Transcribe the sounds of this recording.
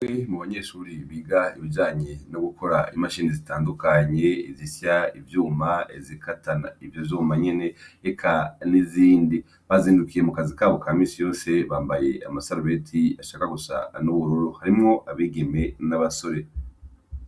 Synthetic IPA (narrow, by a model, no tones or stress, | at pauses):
emuβaɲe̞ʃuːɾiβiːɡaiβid͡ʒaːɲenoɡukʰo̞ɾaimaʃiːnizitaːndukaɲe̞izisjaivjuːmaezikʰatana̰ivjovjuːmaɲe̞ne̞ːkʰaniziːndi | βaziːndukije̞mukazikaːβo̞kaːmiːsijo̞ːse̞βaːmbaje̞a̰masaɾuβetʰiaʃaːkaɡusa̰nuβuɾoɾohaɾimŋo̞ʔaβiːɡe̞me̞naβaso̞ɾe̞